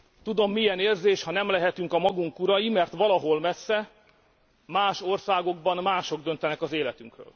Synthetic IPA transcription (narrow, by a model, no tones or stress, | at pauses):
t̪ud̪o̞mːijɛneːrzeːʃhɒnɛmlɛɦɛt̪yŋkɒmɒɡuŋkuɾɒjimɛrt̪ʋɒlɒɦo̞lmɛsːɛ | maːʃo̞rsaːɡo̞ɡ̚bɒnmaːʃo̞ɡ̚d̪ø̞nt̪ɛnɛkɒzeːlɛt̪yŋkrø̰ːl